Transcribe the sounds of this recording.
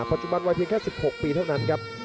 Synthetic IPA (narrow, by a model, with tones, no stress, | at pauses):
pa˨˩t̪̚t͡ɕu˨ba˧nwa˧jpʰi˧ŋkɛː˥˩si˨˩p̚ho˨˩k̚piː˧t̪ʰa˥˩wna˦˥nkʰa˦˥p̚